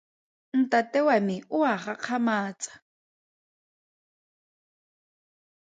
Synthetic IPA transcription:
n̩tatɛwamɪʊaχaq͡χʰamaːt͡sʼḁ

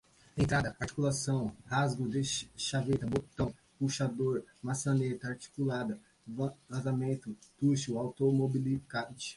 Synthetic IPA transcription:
d̪ẽj̃t̪ɾad̪ɐpaɾt͡ʃi̥kulasɐ̃w̃hazɡʊd̪ɪʃavet̪ɐbopt̪ɐ̃w̃ | puʃad̪oɾmasɐnet̪ɐaɾt͡ʃi̥kulad̪ɐ | vlɐ̃zamẽnt̪ʊt̪uʃuawt̪omobilikãt͡ʃɪ̥

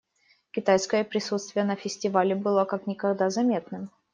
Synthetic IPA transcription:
kʲɪt̪ajskəjəpɾʲɪsut̪st̪vʲɪjənəfʲɪsʲtʲɪvalʲɪbɨlˠakaknʲɪkɐɡd̪azɐmʲe̞t̪nɨm

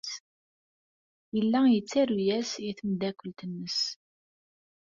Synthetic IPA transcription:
jəlːæjət͡sːæɾujæsiθəmd̪ækʷːəlt̪ənːəs

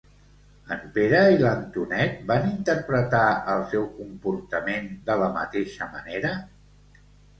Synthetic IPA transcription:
ənbeɾəilənt̪unɛt̪̚banint̪əɾpɾət̪aəlˠsɛwkumpuɾt̪əmend̪ələmə̰t̪eʃəməneɾə

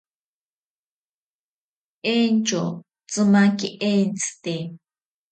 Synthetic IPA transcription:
ent͡ʃo | t͡sɨmaŋkiʔent͡sɨ̥t̪e

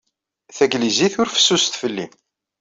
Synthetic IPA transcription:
θæɡliziθʊɾfə̥sːust̪fəlːḭ

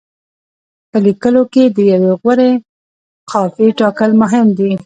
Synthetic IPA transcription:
pəlikəloked̪əjaweɣwəɾe | qʰɑfiʈɑkəlmʊɦɪmd̪i

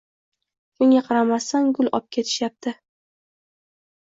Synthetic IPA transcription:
kʰʊŋʲaqʰɑɾamasaŋɡʊlˠɒ̰p̚kʲʰe̞t̪ʰɪ̥ʃjap̚t̪ʰɪ

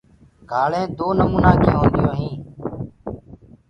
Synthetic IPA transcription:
ɡʱaːɭẽːd̪oːnəmuːnaːkʰẽːɦõːnd̪ɪjoːɦĩː

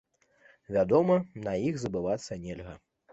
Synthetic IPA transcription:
vʲad̪ɔmɐnɐjixzɐbɨvat̪sːɐnʲɛlʲɣɐ

